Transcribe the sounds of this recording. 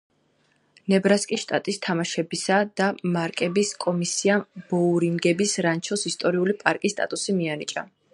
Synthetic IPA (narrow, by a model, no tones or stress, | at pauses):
nɛbɾaskʼisʃt̪ʼa̰t̪ʼist̪ʰamaʃɛbisad̪̥amaɾkʼɛbiskʼɔmisiab̥ɔuɾiŋɡɛbisɾant͡ʃʰɔsist̪ʼɔɾiulipʼaɾkʼist̪ʼa̰t̪ʼusimianit͡ʃʼa̰